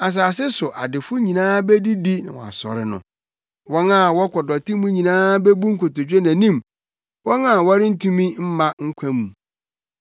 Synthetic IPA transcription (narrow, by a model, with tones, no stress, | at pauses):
a˨s̬aː˨s̬ɪ˦sʊ˨ʔa˨dɪ˨fʊ˦ɲĩ˨nãː˦be˦di˦di˦nã̰˨wɔ̰˨a̰˨sɔ̰˨ɾɪ̰˦nʊ̰̃˨ | wɔ̃˦na˦˨wɔ˦kʰɔ˨dɔ˨tʰi˦mũ˦ɲĩ˨nãː˦be˦bu˦ŋ̩˦kʰo˨to˨d͡ʑᶣe˦næ̃˨nĩ˦˨m | wɔ̃˦ŋã˦˨wɔ˦ɾɪ˦n̩˦tʰũ˦mĩ˦m̩˦mã˦ŋ̩˦kʷʰã˦mũ˨